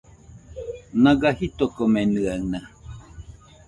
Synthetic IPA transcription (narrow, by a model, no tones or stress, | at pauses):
nãɡahit̪okomenɨana